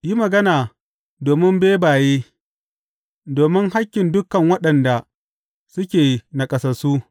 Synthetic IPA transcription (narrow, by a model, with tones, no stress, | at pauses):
ji˦mɐ˨ɡɐ˦naː˨ | doː˨mɪ˦mbeː˦baː˨jeː˦ | doː˨mɪ˦ŋɦa˦kʲːɪ˨ndʊ˦kɐ˨ŋwɐ˦ɗɐ˨nda˨ | sʊ˦kʲeː˨na˨kʼɐ˦sɐ˨su˦